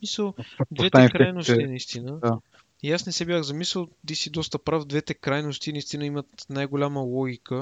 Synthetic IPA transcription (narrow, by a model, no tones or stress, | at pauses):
misəlˠd̪vɛt̪ɛ̃kɾajnost̪inɐist̪inəa | iasnɛsɛbjaxzɐmisɛlˠd̪isid̪ɔst̪əpɾafd̪vɛt̪ɛkɾajnost̪inɐist̪inəimət̪najɡolʲaməlˠɔɡʲikə